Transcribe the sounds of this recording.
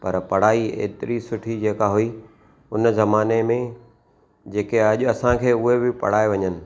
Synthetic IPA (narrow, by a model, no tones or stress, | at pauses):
pɐɾpɐɽ̤aːiḛːt̪ɪɾisʊʈʰid͡ʑeːkaɦʊiː | ʊnzɐmaːnemẽ | d͡ʑeːkeɐʄʊɐsãkʰeːʊɦebɪpɐ̰ɽ̤aːeʋɐɲənɪ̆